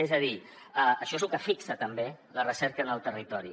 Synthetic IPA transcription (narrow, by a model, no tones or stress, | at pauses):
ezəði | əəʃɔezlukəfiksət̪əmbelərəsɛɾkəːnəlˠt̪ərit̪ɔɾi